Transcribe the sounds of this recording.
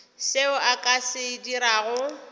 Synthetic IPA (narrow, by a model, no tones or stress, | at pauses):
sɪʊʔakʼasɪdiɾaːɣʊ